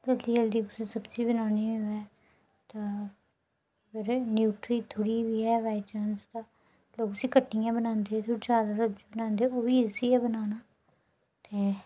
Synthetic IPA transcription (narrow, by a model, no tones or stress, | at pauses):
d̪əld̪iːəld̪iːkʊsĩːsəbd͡ʒiːbənaːniːiɛː | t̪ãː | ɡəɾnjuːʈɾiːt̪ʰʊɽiːʋiːɛːʋaːɪt͡ʃənzt̪ãː | loːkʊsĩːkəʈːɪjãːbənãːnd̪eːɛːt̪ʰod͡ʒjaːd̪aːsəbd͡ʒiːbənãːnd̪eɛoːʋiːɪsiːɛːbənaːnaː | t̪eː